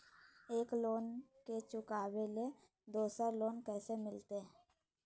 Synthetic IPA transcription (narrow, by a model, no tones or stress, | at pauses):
eːkloːnket͡ʃʊkaːwele | d̪oːsəɾloːnkɛːsemɪlt̪e